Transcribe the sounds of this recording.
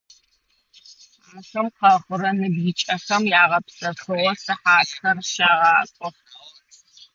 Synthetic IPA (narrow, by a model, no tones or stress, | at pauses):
mɨxɨmqɐχʷəɾɐnɨbjɪt͡ʃʼɐxɐmjaːʁɐpsɐxɨwɔsɨħaːtxɐrʃaːʁɑːkʷʼɔχ